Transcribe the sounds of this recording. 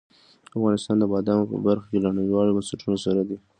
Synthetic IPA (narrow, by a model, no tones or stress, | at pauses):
afɣɑnɪst̪ɑnd̪əbɑd̪ɑmopə̰baɾxakelaɳəwiwɑɽobansaʈunosaɾad̪i